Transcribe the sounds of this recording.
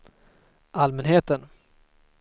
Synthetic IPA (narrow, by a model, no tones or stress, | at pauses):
ʔalmɛnɦeːt̪ən